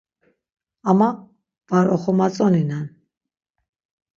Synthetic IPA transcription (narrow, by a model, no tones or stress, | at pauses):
ama | vaɾɔχɔmat͡sʼɔninan